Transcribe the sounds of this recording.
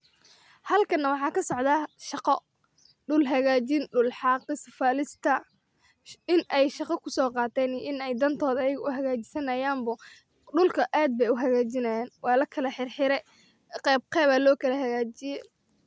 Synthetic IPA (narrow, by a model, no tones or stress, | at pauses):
hɐlkʰɐnːɐwɑħɑːkʰɐsɔʕd̪aːʃɑqɔ | ɖʊlɦɐɣaːt͡ʃɪnɖʊlħɑːqɪsfaːlɪst̪ʰɐ | ɪnɛjʃɑqɐkʰʊsɔːqɑːt̪ʰɛːniʔɪnɛjd̪ɐnt̪ʰɔːðɐɐjɪɣɐʊɦɐɣaːt͡ʃɪ̥sɐnɐjaːmbɐ | ɖʊlkʰɐʔaːd̪̚bɛjʊɦɐɣaːt͡ʃɪnɐjɛːnwɑːlɐkʰɐlɐħɪrħɪɾɛ | qɛːb̚qɛːβaːlɔːkʰɐlɐɦɐɣaːt͡ʃɪjɛ